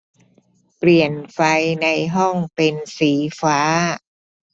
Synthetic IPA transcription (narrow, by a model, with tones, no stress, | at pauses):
pli˨˩ənfa˧jna˧jɦɔ˥˩ŋpe˧nsiː˩˦faː˦˥